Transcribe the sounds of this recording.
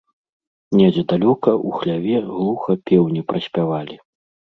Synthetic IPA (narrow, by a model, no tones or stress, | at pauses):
nʲɛd͡zʲɛd̪alʲɔkɐʔuxlʲavʲɛɣlˠuxɐpʲɛwnʲipɾɐsʲpʲavalʲi